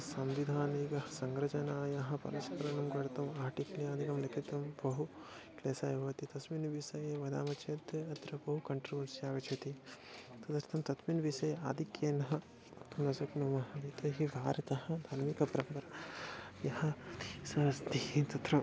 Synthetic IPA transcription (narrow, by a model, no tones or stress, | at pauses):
sɐmʋid̪ʱaːniːɡɐɦɐsɐŋɡɾɐt͡ʃɐnaːjɐɦɐ̆pɐ̰ɾɐskɐɾɐnumɡɐɽɐt̪ɐmaːɾʈikɐlijaːd̪ʱikɐmlɐkʰit̪ɐmbɐɦu | kleːsaːjɐʋɐt̪it̪ɐsminʋisɐjeʋɐd̪aːmɐt͡ʃʰeːt̪ɐt̪ɾɐbɐɦukɐɳʈɾuʋɐnsjaːɡɐt͡ʃʰɐt̪i | t̪ɐd̪ɐɾit̪ʰɐmt̪ɐsminʋisɐjaːd̪ʱikjeːnɐɦɐ | ɐt̪ɐmnɐsɐknumɐɦɐʋit̪ɐɦiʋʱaːɾɐt̪ɐhɐd̪ʱaːɾmikɐpɐɾɐmpɐɾɐjɐɦɐ̆sɐɐst̪iit̪ɐt̪ɾɐ